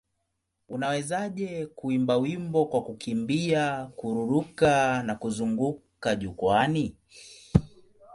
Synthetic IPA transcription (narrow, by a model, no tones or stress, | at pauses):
unawɛzaʄɛkuimbawimbɔkwakukimbiakuɾuɾukanakuzuŋɡukaʄukwani